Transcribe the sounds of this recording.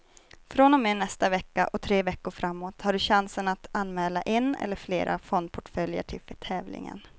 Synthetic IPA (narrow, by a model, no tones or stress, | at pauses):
fɾɔnɔmeːnɛst̪avɛkːaʔɔt̪ʰɾeːvɛkːʊɾfɾamːoːt̪haɖɵɕansənat̪anːmɛːlaʔɪnːɛ̰lːəɾflḛːɾa̰fɔnd̪̚pʰɔʈfœljə̰ʈʰɪlfɛt̪ʰɛːvlɪ̰ŋə̰n